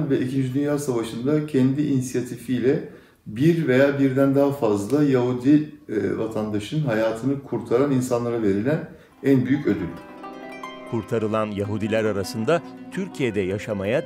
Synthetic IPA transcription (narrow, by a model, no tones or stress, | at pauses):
vɛʔicʰind͡ʒid̪ynjaɾsavaʃɯnd̪acʰɛnd̪iʔinisijat̪ʰifijlʲɛ | biɾve̞jaːbiɾd̪ænd̪aɦafazlˠajaɦud̪ivat̪ʰand̪aʃɯnɦajaːt̪ʰɯnɯkʰuɾt̪ʰaɾaninsanlˠaɾave̞ɾilʲæn | ænbyjycød̪ylʲ | kʰuɾt̪ʰaɾɯlˠanjaɦud̪ilʲæɾaɾasɯnd̪a | t̪ʰyɾcʰijed̪ɛjaʃamaja